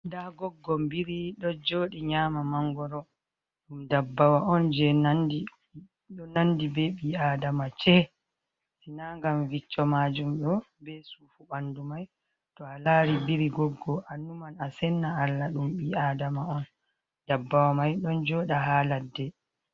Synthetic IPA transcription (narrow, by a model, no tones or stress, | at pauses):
ndaɡɔɡːɔmbiɾiɗɔnd͡ʒoːɗiɲaːmamaŋɡɔɾɔ | ɗumdabːawaʔɔnd͡ʒɛnandi | ɗɔnandibɛɓiːaːdamat͡ʃɛ | sinaŋɡamvit͡ʃːɔmad͡ʒumɗɔ | bɛsufuɓandumaj | tɔalaːɾibiɾiɡɔɡːɔʔanumanasɛnːaalːaɗumɓiaːdamaɔn | dabːawamajɗɔnd͡ʒɔːɗaɦaːladːɛ